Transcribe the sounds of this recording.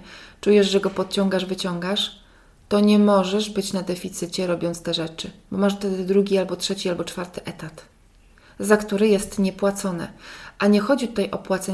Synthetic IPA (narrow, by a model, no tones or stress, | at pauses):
t͡ʂujɛʐʐɛɡɔpɔt̪̚t͡ɕɔŋɡaʐvɘt͡ɕɔŋɡaʂ | t̪ɔɲɛmɔʐɛʐbɘt͡ɕnad̪ɛfʲit̪sɘt͡ɕɛɾɔbʲjɔnt̪st̪ɛʐɛt͡ʂɘbɔmaʂft̪ɛd̪ɘd̪ɾuɡʲialbɔtʂɛt͡ɕialbɔt͡ʂfaɾt̪ɘʔɛt̪at̪ | zakt̪uɾɛjɛst̪ɲɛpwat̪sɔnɛ̰ʔaɲɛxɔd͡ʑit̪ut̪ajʔɔpwat̪sɛ